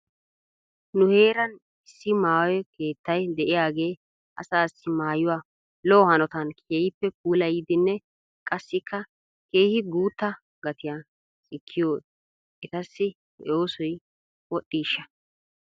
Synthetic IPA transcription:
nʊhe̞ːɾɐn | ɪsːɪmaːwɛke̞ːt̪ːɐjd̪ɛʔɪjaːɡe̞ː | ʔɐ̰saːsɪmaːjʊwaː | lɔːhɐnɔt̪ɐnkʰeːhɪpːɛp̚uːlɐjid̪ɪnːɛ | kʼɐsːɪkʰːɐ | keːhɪɡuːt̪ːɐ | ɡɐt̪ɪjaː | sʼɪkʰːɪjoː | ɛt̪ɐsːɪ̰ | oːsɔj | wɔɗːiːʃːɐ

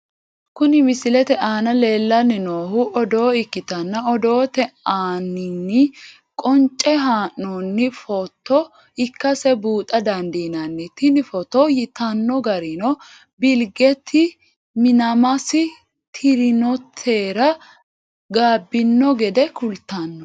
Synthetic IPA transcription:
kʊnɪmɪsɪlɛt̪ɛʔaːnɐle̞ːlːɐnːɪnoːɦʊʔɔd̪o̞ːɪkːɪt̪ɐnːɐɔd̪oːt̪ɛaːnːɪnːɪ | kʼɔnt͡ʃʼːɛɦaːnːoːnːɪfɔt̪ːɔ | ɪkːɐsɛbuːt̪ʼɐd̪ɐnd̪inɐnːɪt̪ːɪnɪfɔt̪ɔjɪt̪ɐnːɔɡɐɾɪnɔ | bɪlɡɛt̪ʰːɪ | mɪnɐmɐsɪ | t̪ʰɪɾɪnɔt̪ʰːeːɾɐ | ɡaːbːɪnːɔɡɛd̪ɛkʊlt̪ːanːɔ

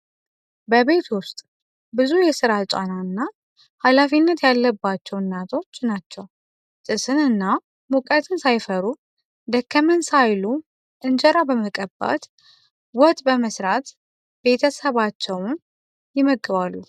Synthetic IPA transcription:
bəβe̞t̪ʰwʊst̪ʼ | bɨzujɛsɨɾat͡ʃʼa̰naɨnːa | halafinːət̪jalːəbːat͡ʃːɛwnːat̪ʰo̞t͡ʃːnat͡ʃːɛw | t̪ʼɨsɨnɨnːa | mukʼət̪ʰɨnsajfəɾu | d̪əkʰːəmənsajlu | ʔɨnd͡ʒɛɾabəməkʼəbːa̰t̪ | wɔt̪ʼbəməsɾat̪ | be̞t̪ʰəsəβat͡ʃːɛwn | jɪməɡːɨβalːu

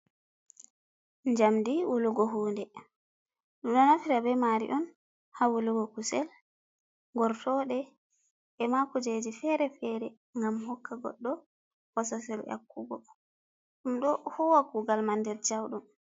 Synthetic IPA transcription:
ɲd͡ʒamdiwuluɡɔɦuːndɛ | ɗumɗɔnafiɾabɛmaɾḭʔɔn | hawuluɡɔkusɛl | ŋɡɔɾtɔɗɛ | ʔːmakud͡ʒed͡ʒifɛɾɛfɛɾɛ | ŋɡamhɔkːaɡɔ̰ɗːɔ | hɔsasɛla̰kːuɡɔ | ɗumɗɔhuwakuɡalmandɛɾd͡ʒawɗum

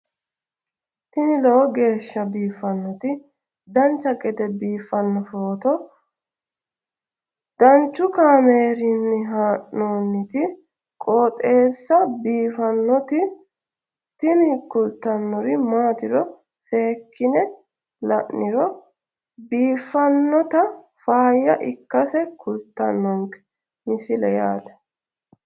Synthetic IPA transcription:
t̪ɪnɪlɔɔɡe̞ːʃːɐbiːfɐnːɔt̪ɪ | d̪ɐnt͡ʃːɐkʼɛt̪ɛbiːfːɐnːɔfoːt̪ɔ | d̪̥ɐnt͡ʃːʊkaːmeːɾɪnːɪɦaːʔnoːnːɪt̪ɪ | kʼoːt̪ʼe̞ːsːɐbiːfɐnːɔt̪ɪ | t̪ɪnɪkʊlt̪ːɐnːɔɾɪmaːt̪ɪɾɔ | se̞ːkːɪnɛ | lɐ̰ʔːɪɾɔ | biːfːɐnːɔt̪ɐ | faːjːɐʔɪkːɐsɛkʰʊlt̪ːɐnːɔŋkɛ̥ | mɪsɪlɛjaːt̪ɐ̥

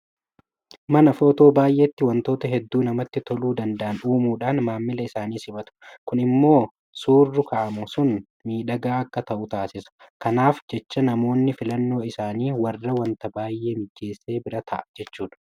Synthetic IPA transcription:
mɐnɐfoːt̪o̞ːbaːjʔe̞ːt̪ːɪwɐnt̪o̞ːt̪ɐɦɛd̪ːuːnɐmɐt̪ːɪt̪ɔluːd̪ɐnd̪ɐʔɐnᶑuːmuːᶑaːnmaːmːɪlɐɪsaːniːsɪmɐt̪ʊ̥kʊnɪmːo̞ː | suːrːʊkɐʔɐmʊsʊn | miːᶑɐɡaːɐkːɐt̪ɐʔʊt̪aːsɪsɐ̥kɐnaːfd͡ʒɛt͡ʃːɐnɐmo̞ːnːɪfɪlɐnːo̞ːɪsaːniːwɐrːɐwɐnt̪ɐbaːjʔe̞ːmɪd͡ʒːe̞ːsːe̞ːbɪɾɐt̪ʰɐʔɐd͡ʒɛt͡ʃːuːᶑɐ̥

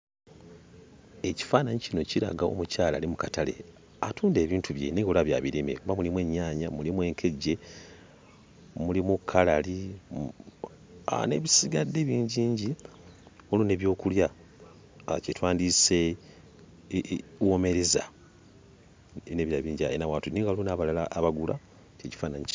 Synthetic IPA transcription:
e̞ci̥faːnaɲicino̞ciɾa̰ɡao̞̰mucaːla̰ːlimukatale̞̰ | atʰuːnde̞ːβiːntʰuβje̞̰neɡolaβja̰ːβiɾemḛkuβamulimweːɲːaːɲamulimwe̞ːŋkʰe̞ɟe̞ | mulimukʰːalali | a̰ne̞βisiɡadːe̞βiːɲɟiːɲɟi | olune̞βjo̞ːkulja | cetwaːndise̞ | wome̞ɾeza̰ | neːβjaβiːɲɟaenawaːtuniːŋɡalunaβalalaːβaɡula̰ | ceci̥faːnaɲi

